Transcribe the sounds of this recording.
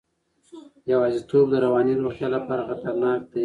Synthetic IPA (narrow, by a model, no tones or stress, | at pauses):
jawɑzit̪ob̚d̪əɾawɑniɾoxt̪jɑlapɑɾaxat̪aɾnɑk̚d̪a